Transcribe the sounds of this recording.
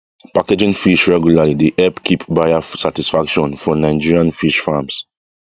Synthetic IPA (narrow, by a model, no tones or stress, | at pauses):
paked͡ʒĩŋfiʃɹɛɡjulalideʔɛpkʰipbajafsatisfakʃɔ̃nfɔnaɪd͡ʒiɹiãnfiʃfams